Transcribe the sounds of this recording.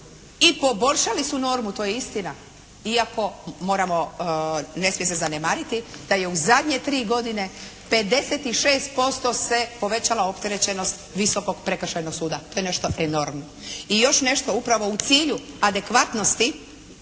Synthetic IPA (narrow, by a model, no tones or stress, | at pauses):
ipo̞bo̞ʎʲʃalisuno̞ːɾmut̪o̞jeist̪ina | iako̞mo̞ːɾamo̞ | ne̞smijesezanemaːɾit̪id̪̥aje̞uzad̪ʲɲe̞t̪ɾiːɡo̞d̪ine̞ | pe̞d̪e̞set̪iʃe̞ːst̪̚po̞st̪o̞se̞po̞ʋe̞t͡ɕalaopt̪e̞ɾet͡ɕeno̞st̪ʋisoko̞ɡpɾekrʃajno̞ɡsuːd̪at̪o̞ːjene̞ʃt̪o̞ʔeno̞ɾmnoijo̞ʃne̞ʃt̪o̞upɾaʋo̞ut̪siːʎuad̪e̞kʋat̪no̞st̪i